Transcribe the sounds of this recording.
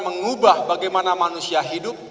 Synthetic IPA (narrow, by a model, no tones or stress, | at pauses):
məŋubahbaɡajmanamanusiaɦidʊp̚